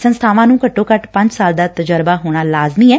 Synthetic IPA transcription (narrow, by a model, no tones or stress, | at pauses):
sənst̪ʰaːʋãːnũːkəʈːoːkəʈpə̃ɲd͡ʒsaːld̪aːt̪əd͡ʒəɾbaːɦoːɽ̃aːlaːzmiːɛː